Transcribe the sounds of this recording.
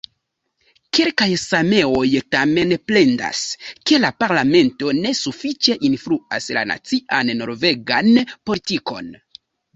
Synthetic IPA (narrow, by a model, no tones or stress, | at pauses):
ke̞lkajsame̞o̞jtame̞nple̞nda̰ske̞lapaɾlame̞nto̞ne̞sufit͡ʃe̞ʔinfluasla̰na̰t͡siʔanːo̞ɾve̞ɡanpo̞litiko̞̰n